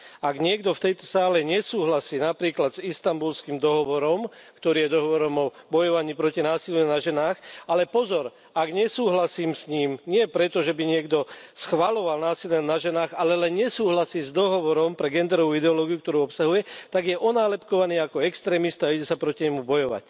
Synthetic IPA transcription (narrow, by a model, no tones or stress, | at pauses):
aɡɲɪɛɡd̪ɔft̪ɛjt̪ɔ̥saːlɛɲɛsuːɦlasiːnapɾiːklad̪zist̪ambulskiːmd̪ɔɦɔʋɔɾɔmkt̪ɔɾiːjɛd̪ɔɦɔʋɔɾɔmɔbɔjɔʋaɲiːpɾɔcinaːsiljunaʒɛnaːxalɛpɔzɔɾ | aɡɲɛsuːɦlasiːmsɲiːmɲɪɛpɾɛt̪ɔʒɛbiɲɪɛɡd̪ɔsxʋalɔʋalnaːsilɛnaʒɛnaːɣalɛlɛnɲɛsuːɦlasiːzd̪ɔɦɔʋɔɾɔmpɾɛɡɛnd̪ɛɾɔʋuːid̪ɛɔlɔːɡijuk̚t̪ɔɾuːɔpsaɦujɛt̪aɡjɛʔɔnaːlɛpkɔʋaniːakɔɛkst̪ɾɛːmist̪aiɟɛsapɾɔciɲɛmubɔjɔʋa̰c